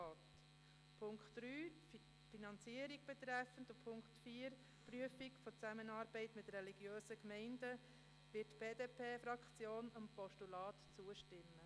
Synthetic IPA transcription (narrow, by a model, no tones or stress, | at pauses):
ɑːt | pʰʊŋkχtɾyː | finɑnt͡siəɾiɡ̚b̥ɛt̪ɾæfəndʊpʰʊŋktfiːɾ | pryəfikfɔt͡sæmənɑːɾbɛɪtmɪtɾɛliɡ̥jøːsəkmɛɪndə | ʋɪtːb̥eːdeːpʰeːfɾɑkt͡sjoːnəmpɔʃtulɑːtt͡suəʃtɪmːə